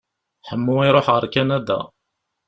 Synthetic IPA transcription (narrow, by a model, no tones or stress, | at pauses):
ħəmːuiɾˤoħʁəɾkænæd̪æ̰